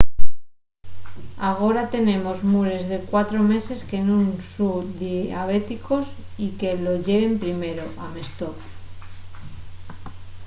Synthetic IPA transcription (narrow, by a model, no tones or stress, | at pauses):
aɣ̞o̞ɾat̪e̞nẽ̞mo̞zmuɾe̞zðe̞kwat̪ɾo̞me̞se̞ske̞nunsuðiaβ̞e̞t̪iko̞sike̞lo̞ʝe̞βe̞mpɾime̞ɾo̞ʔame̞st̪ok